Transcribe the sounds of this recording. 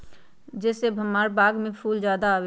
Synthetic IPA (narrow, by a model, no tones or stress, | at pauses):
d͡ʒɛːsebʱəmːaːɾbaːɡmẽpʰuːld͡ʒjaːd̪aːwe